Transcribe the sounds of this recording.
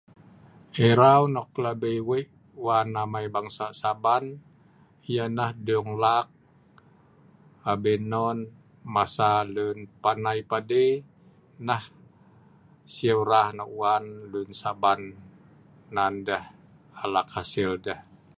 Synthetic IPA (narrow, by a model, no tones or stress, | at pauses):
ʔeɾawnɔklabejweʔ | uwanːamaibaŋsasaban | ijanahduŋlak̚ | abɛnɔn | masalunpanaipade | nah | siawɾahnɔwanlunsabanː | andəh | alakhasildəh